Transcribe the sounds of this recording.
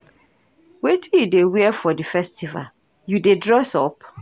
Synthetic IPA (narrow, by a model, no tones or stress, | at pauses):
wetʰĩjudewɛɛfɔdifɛstiva̰l | judedɹɔsɔp